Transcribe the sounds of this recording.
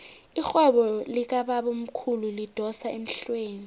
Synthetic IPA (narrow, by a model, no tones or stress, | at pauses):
ixɛɓɔlik̬aɓaɓom̩kʰululid̥ʱɔsaem̩ɬweːni